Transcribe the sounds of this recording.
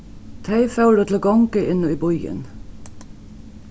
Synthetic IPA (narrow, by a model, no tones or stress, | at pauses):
t̪ʰæɪfɑʉd̪ət̪ʰl̩oːɡɑŋkəʔɪnɔiːbɔʏə̰n